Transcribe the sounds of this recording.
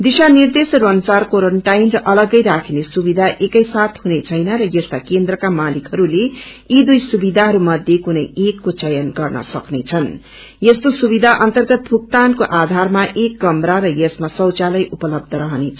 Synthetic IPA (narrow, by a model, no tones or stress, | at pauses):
d̪isanird̪esrʌnt͡sarkoɾʌɳʈajnrʌʔʌlʌɡʌjɾakʰinesubid̪ʱaʔekʌjsat̪ʰɦunet͡sʰʌjnʌɾʌjʌst̪akend̪rʌkamalikɦʌɾuleid̪ujsubid̪ʱaɦʌɾumʌd̪ʱjekunʌjekːot͡sʌjʌnɡʌrnʌ̰sʌ̰knet͡sʰʌn | jest̪osubid̪ʱaʔʌnt̪ʌrɡʌt̪̚bʰʱuk̚t̪ankoʔad̪ʱarmaʔekɡʌmɾaɾʌjʌsmasʌwt͡salʌjʔupʌlʌb̚d̪ʱʌɾʌɦʌnet͡sʰ